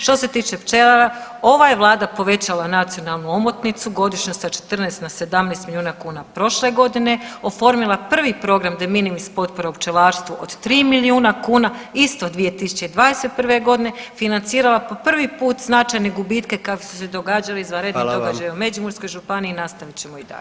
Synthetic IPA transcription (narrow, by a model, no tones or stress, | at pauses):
ʃt̪o̞se̞t̪iːt͡ʃe̞pt͡ʃelˠaɾao̞ʋajeʋlˠaːd̪apo̞ʋe̞t͡ɕalˠanat̪sijo̞nalˠnuo̞mot̪nit̪suɡo̞d̪iʃɲosat͡ʃe̥t̪rnest̪nase̞d̪amnest̪miljuːnakuːnapɾo̞ʃle̞ɡo̞d̪ine̞o̞fo̞ɾmilˠapr̩ʋipɾo̞ɡɾamd̪aminimispo̞t̪poɾaupt͡ʃelaːɾst̪ʋuʔod̪̥t̪ɾiːmiliuːnakuːnaist̪o̞d̪ʋije̞t̪isu̥t͡ɕe̞id̪ʋaːd̪eset̪̚pr̩ʋe̞ɡo̞d̪ine̞finant̪siːɾalapo̞pr̩ʋipuːt̪znat͡ʃajneɡubit̪ke̞kakosu̥se̞d̪o̞ɡaːd͡ʒaliizʋanɾe̞d̪idd̪o̞ɡad͡ʒajaume̞d͡ʒumuɾsko̞jʒupaniːnast̪aʋit͡ɕe̞moid̪a̰ʎe